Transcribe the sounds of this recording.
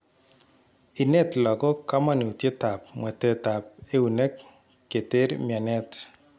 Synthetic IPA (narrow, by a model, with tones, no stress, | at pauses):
i˨nɛ˦tlɔ˨kɔ˦ka˦ma˦˨ne˨tje˦ta˨p̚mwɛ˨tɛ˦ta˨p̚e˦u˨ne˦kː | e˨te˦ɾmja˨nɛ˦t